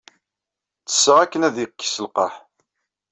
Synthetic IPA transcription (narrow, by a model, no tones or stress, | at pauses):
t͡sːə̥sːəʁækːənæðiqːi̥səlqɑħ